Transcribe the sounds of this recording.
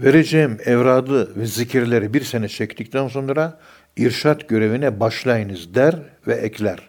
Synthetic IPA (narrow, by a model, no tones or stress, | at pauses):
veɾed͡ʒejimɛvɾaːd̪ɯvɛzicʰiɾlʲe̞ɾibiɾsenɛt͡ʃʰɛct̪ʰic̚t̪ʰænso̞nɾa | iɾʃat̪ɟø̞ɾe̞vinɛbaʃlˠajɯnɯzd̪æɾvɛʔɛcʰlʲæɾ̥